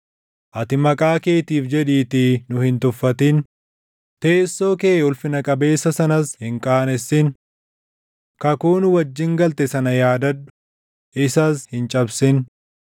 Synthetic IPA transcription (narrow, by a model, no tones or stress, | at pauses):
ʔɐt̪ɪmɐkʼaːkeːt̪iːfd͡ʒɛᶑiːt̪ɪnʊhɪnt̪ʊfːɐt̪in | t̪e̞ːsːo̞ːkeːʊlfɪnɐkʼɐbe̞ːsːɐsɐnɐshɪŋkʼaːnɛsːɪn | kɐkuːnʊwɐd͡ʒːɪŋɡɐlt̪ɛsɐnɐjaːd̪ɐd̪ːʊ̥ | ʔɪsashɪnt͡ʃʼɐbsɪn